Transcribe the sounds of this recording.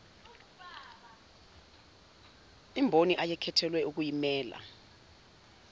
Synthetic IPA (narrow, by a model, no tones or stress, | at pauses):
imbʱoniʔajɛkʰɛtʰɛlwɛʔuk̬ujimɛːla̰